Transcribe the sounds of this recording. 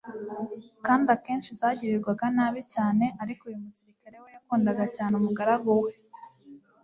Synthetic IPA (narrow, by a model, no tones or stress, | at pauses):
kaːndake̞ːnʃizaːɟiɾiɾɡwaɡanaːβicaːne̞ʔaɾikujumusiɾikaɾe̞wejakuːndaɡacaːnumuɡaɾaɡuwe